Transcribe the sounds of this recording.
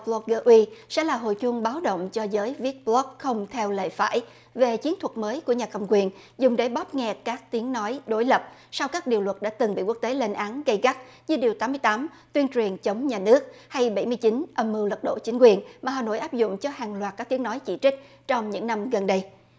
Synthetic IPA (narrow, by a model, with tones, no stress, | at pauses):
plɔ˦˥k̚ɣəː˧ʔwi˧sɛ̰˧˥laː˨˩ɦo̰˧˨jt͡ɕʊ˧ŋɓaː˨˦wɗo̰˧˨wŋ͡mt͡ɕɔ˧zəː˨˦jvi˦˥ət̚blɔ˦˥k̚xə˧wŋ͡mt̪ʰɛ˧wlḛ˧˨fa̰ː˧˨j | ve˨˩t͡ɕi˨˦ənt̪ʰwə˨˩t̚məː˨˦jku˧˩əɲaː˨˩kə̰˨˩ŋ͡mkwi˨˩ən | zʊ˨˩ŋ͡mɗə˨˦jɓɔ˦˥p̚ŋɛ˨˩tkaː˦˥k̚t̪i˨˦əŋnɔ˨˦jɗo˨˦jlə˨˩p̚sa˧wkaː˦˥k̚ɗi˨˩əwlwə˨˩t̚ɗa̰ː˧˥t̪ɨ˨˩ŋɓḭ˧˨ku˦˥ək̚t̪e˨˦le˧nʔaː˨˦nɣə˧jɣa˦˥t̚ɲɨ˧ɗi˨˩əwt̪aː˨˦mɨ˧əjt̪aː˨˦m | t̪wi˧ənt͡ɕwi˨˩ənt͡ɕə˨˦wŋ͡mɲaː˨˩nɨ˦˥ək̚ha˧jɓə˧˩jmɨ˧əjt͡ɕi˨˦nʔə˨˧˩mːɨ˨˧˩wlə˨˩t̚ɗo̰˧˨t͡ɕï˨˦ŋ̟kwi˨˩ənmaː˨˩ɦaː˨˩no̰˧˩jʔaː˦˥p̚zʊ̰˧˨ŋ͡mt͡ɕɔ˧haː˨˩ŋlwaː˨˩t̚kaː˦˥t̪i˨˦ənɔ˨˦jt͡ɕḭ˧˩t͡ɕï˦˥k̟̚ | t͡ɕɔ˧wŋ͡mɲɨ̰˧˥ŋna˧mɣə˨˩nɗə˧j